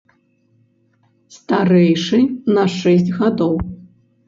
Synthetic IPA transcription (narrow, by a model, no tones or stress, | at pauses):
st̪aɾɛjʂɨnɐʂɛsʲt͡sʲɣad̪ɔw